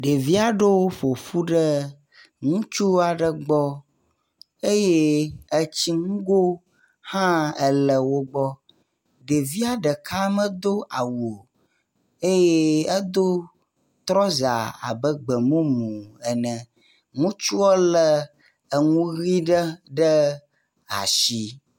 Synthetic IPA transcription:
ɖe˨vi˦a˨ɖe˦wo˦fo˨fu˦ɖə˦ | ŋũ˦t͡ʃu˦a˨ɖə˨ɡ͡bɔ˦ | e˦je˦ə˦t͡ɕi˦ŋũ˦ɡo˦ | hã˦ə˦lə˨wo˦ɡ͡bɔ˦ | ɖe˨vi˦a˨ɖə˨ka˦mə̃˦d̪o˦ʔa˨wo˨ | e˦je˦ə˦d̪o˦ | t̪ɾɔ˦za̰˨a̰˨bə˦ɡ͡bə˨mũ˦mũ˨ə˨nə̃˨ | ŋũ˦t͡ʃu˦ɔ˦lə˦ | ə˨ŋũ˦ɣi˦ɖə˦ɖə˦ | a̰˨ʃi˦

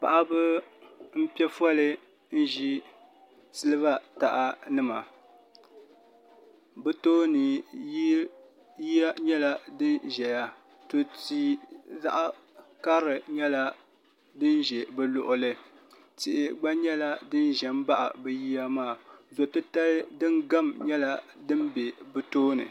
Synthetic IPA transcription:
pa̰˨ʔa˦bɨ˦m̩˦pɛ˦fɔ˦lɨ˦ | n̩˦ʒi˦ | sɨ˦lɨ˦βa˦ta˨ʔa˨nɨ˦ma˨ | bɛ˦toː˦nɨ˨ | ji˦a˦ɲɛ˦la˦dɨ˦nʒɛ˨ja˦ | to˨tiː˦za̰˦ʔa˦ | ka˦ɾɨ˨ɲɛ˦la˦ | dɨ˦nʒɛ˨bɨ˦lʊ˨ʔʊ˨lɨ˦ | tɪ˨ʔɪ˨ɡ͡ba˦ɲɛ˦la˦dɨ˦nʒɛ˨m˦ba˦ʔa̰˨bɛ˨ji˦ja˦maː˦˨zo˨tɨ˦ta˦ldɨ˦nɡa˦mɲɛ˦la˦dɨ˦m˦be˨bɨ˦toː˦nɨ̰˨

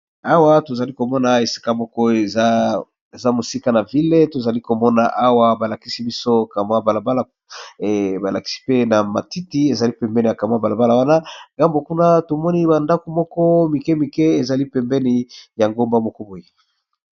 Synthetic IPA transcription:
a˦wa˦to˨za˨li˦ko˨mɔ˦na˨e˨si̥˦ka˦mɔ˦kɔ˦˨˦ | e˨za˦mo˨si˦ka˦na˨vi˦le˦to˨za˨li˦ko˨mɔ˦na̰˨ʔa˦wa˦ba˨la˨ki˦si˦bi˦so˦ka˨ma˦ba˨la˨ba˦la˨ | ba˨la˨ki̥˦si̥˦pe˦na˨ma˨ti˦ti˦e˨za˨li˦pɛ˨mbɛ˦ni˨a˨ka˨m˦a˦ba˨la˨ba˦la˨wa˦na˦ŋɡa˦mbo˨ku˦na˦to˨mɔ˦ni˦ba˨nda˦ko˨mɔ˦kɔ˦mi˨kɛ˦mi˨kɛ˦e˨za˨li˦pɛ˨mbɛ˦ni˨ja˨ŋɡo˦mba˦mɔ˦kɔ˦bo˨je˦

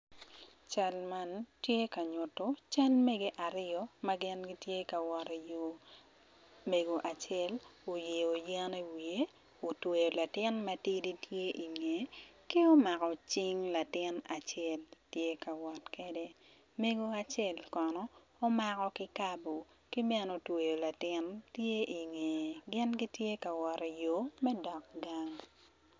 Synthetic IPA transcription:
t͡ʃa˦lma˦ntje˦ka˨ɲʊ˨to˦t͡ʃa˦lme˦ɡe˦ʔa˨ɾɪ˦ɔ˦ma˦ɡɪ˦nɡi˦tje˦ka˨wɔ˨ɾi˨jo˨ | me˨ɡo˨ʔa˨t͡ʃɛ˦˨lo˨je˨o˨jɛ˦ne˦wi˨e˦ | o˨twe˨jo˨la˨tɪ˦nmɐ˦ti˦di˦tje˦ʔi˨ŋe˨ki˦o˦ma˨kɔ˨t͡ʃi˦ŋla˨tɪ˦na˨t͡ʃɛ˦˨ltje˦ka˨wɔ˨tkɛ˦de˦ | me˦ɡo˦a˨t͡ʃɛ˦˨lkɔ˨nɔː˨˦ | ma˦kɔ˦kɪ˦ka˦bo˨ | ki˦mɛ˦no˨twe˨jo˨la˨tɪ˦ntje˦ʔi˨ŋe˨ɡɪ˦nɡi˦tje˦ka˨wɔ˨ɾi˨jo˦mɛ˦dɔ˨k̚ɡa˦ŋ

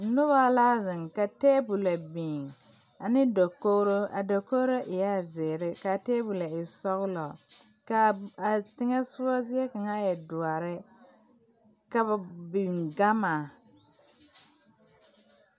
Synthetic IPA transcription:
n̩˦nʊ˦βa˦la˦zɪ˨ŋka˨teː˦bu˨la˨bi˨ŋ | a˨nɪ˦do˨ko˦ɾo˦a˨do˨ko˦ɾo˦ʔɪ˨ja˦˨zɪː˨ɾɪ˦ka˨teː˦bu˨la˨ɪ˨sɔ˦ɣlɔ˨ | ka˨a˨tɪ˦ŋɛ˦sʊ˦a˦zɪ˦ɛ˦ka˨ŋa˦jɛ˨dʊ˨a˨ɾɪ˦ | ka˨ba˨bi˨ŋɡa˦ma˨

